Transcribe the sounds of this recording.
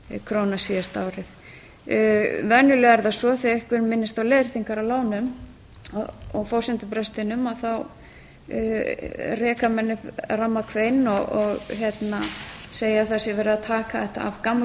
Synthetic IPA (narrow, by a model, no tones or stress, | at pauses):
kʰɾownasiast̪awɾɪθ | vɛnjʏlɛːɣɛɾðasɔθeɛhkvʏɾmɪnːɪst̪awlejðɾ̥θiŋkaɾawlaːwnʏm | ɔɣfowsɪnt̪ʏpɾɛst̪ɪnʏmaðθaw | rɛːkamɛnːɪramːakʰvejnɔɣɔɣçɛt̪naseːjaθɛsɪvɛːɾɪðat̪ʰaːkaðɛht̪a̰ːvkam